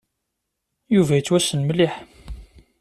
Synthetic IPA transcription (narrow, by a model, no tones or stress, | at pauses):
juvæjət͡sːwæsːənməliħ